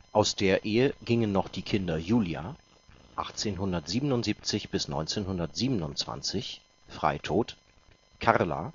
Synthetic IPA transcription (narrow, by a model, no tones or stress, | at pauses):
ʔaʊsd̥eːɐʔeːəɡɪŋənːɔχd̥iːkʰɪndɐjuːlja̰ | ʔaχt͡seːnɦʊndɐtz̥iːbənʊntz̥iːp̚t͡sɪçb̥ɪsnɔ̰ʏnt͡seːnhʊndɐtz̥iːbənʊnt͡sv̥a̰nt͡sɪç | fʁ̥a̰ɪtʰoːt | kʰaʁla̰